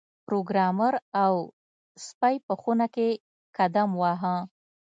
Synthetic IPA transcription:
pɾoɡɾɑməɾaw | spajpəxunake | kad̪amwɑɦã

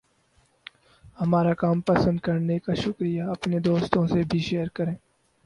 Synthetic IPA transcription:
hɐmaːɾakaːmpɐsə̃nd̪̚kɐɾnekaʃʊkɾijaɐpned̪oːst̪õsebʱiʃeːjəɾkɐɾẽː

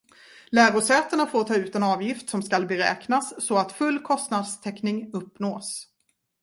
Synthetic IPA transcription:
læːɾʊʂɛːt̪əɳafoːɾtʰɑːʉ̟ːt̪ɛnɑːvjɪft̪sɔmskalbɛɾɛ̰ːknasːɔat̪fɵlːkʰɔst̪nad̪st̪ʰɛknɪŋɵpːnoːs

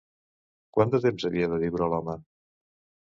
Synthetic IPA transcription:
kwand̪ət̪emzəβiəðəðiwɾəlɔmə

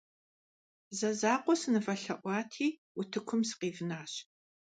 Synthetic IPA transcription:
zɐzaːqʷɔsɨnɨfɐɬɐʔʷɑːtʰiː | ʊtʰɨkʷʰʊmsɨ̥qiːvɨnaːɕ

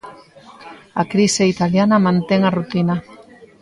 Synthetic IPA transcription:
akɾiseit̪aljanɐmãnt̪eŋarut̪ina

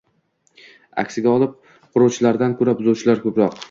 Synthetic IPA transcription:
a̰kʲsɪɡʲaɒlˠɪp̚ | qʰʊɾowt͡ʃʰɪlaɾd̪ankʰɵɾabʊzowt͡ʃʰɪlaɾkʰɵpɾɒq

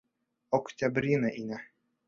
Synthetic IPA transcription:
ɔktʲabɾʲinaʔinʲa

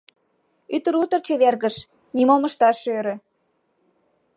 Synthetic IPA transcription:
yt̪əɾut̪ərt͡ɕeβerɣəʃ | nimolməʃt̪ɑʃøɾø̆

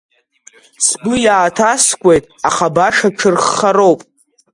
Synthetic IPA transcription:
sbɨjaːtʰaskʷʼe̞jtʼaχabaʂaʈ͡ʂʰɨrχːaɾowpʼ

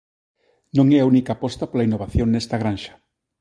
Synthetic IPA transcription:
nõŋɛaunikapɔst̪apolainːoβ̞aθjoŋnest̪aɣɾanʃḁ

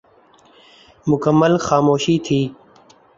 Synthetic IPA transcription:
mʊkəmːəlxaːmoːʃiːt̪ʰiː

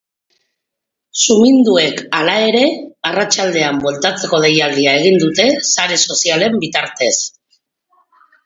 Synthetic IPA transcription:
sumind̪ue̞kalae̞ɾe̞arat͡ʃald̪e̞ambolt̪at͡se̞ko̞ð̞e̞jald̪iae̞ɣ̞ind̪ut̪e̞saɾe̞so̞siale̞mbit̪aɾt̪e̞s

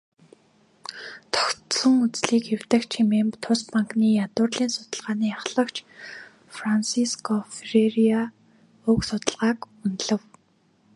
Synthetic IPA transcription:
t̪ʰɔ̥ktsə̆ŋut͡sɮiːkew̥t̪ə̆kt͡ɕʰimeːmpt̪ʰʊspaŋkniːjat̪ʊːrɮiːnsʊt̪ə̆ɮʁaːniːaχɮə̆kt͡ɕ | fransiskʰɔfereria | ʊksʊt̪ə̆ɮʁaːk | unɮə̆w

